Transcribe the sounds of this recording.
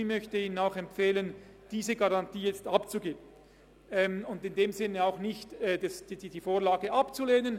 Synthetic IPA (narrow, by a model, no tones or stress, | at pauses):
ɪçmœçtəiːnənaʊxɛmpfeːlən | d̥iːzəɡaʁɑntiːjɛt͡stapt͡suɡeːbən | ɛmʊndɪndeːmzɪnːəaʊxnɪçtɛːdɛsd̥ddiːfoːɐlaːɡəʔapt͡suleːnən